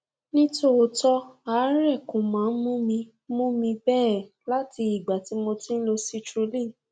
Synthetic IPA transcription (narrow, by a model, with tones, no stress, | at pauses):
nĩ˦to˦o˧tɔ˦a˨˦ɾɛ˦˨kũ˨mãː˨˦n̩˦mũ˦mĩ˧˦ | mũ˦mĩ˧bɛː˦˨ | la˦ti˧i˨ɡ͡ba˨ti˨˧˦mo˧tĩ˦n̩˦lo˧si˦tɾu˨˦li˦˨